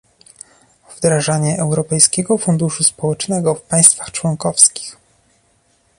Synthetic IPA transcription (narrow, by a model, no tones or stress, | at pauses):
v̥d̪ɾaʐaɲɛʔɛwɾɔpɛjskʲɛɡɔfund̪uʂuspɔwɛt͡ʂnɛɡɔfpaj̃st̪fḁxt͡ʂwɔŋkɔfskʲi̥x